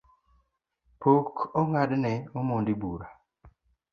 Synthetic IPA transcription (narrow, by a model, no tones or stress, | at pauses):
pokoŋadnɛomondibuɾa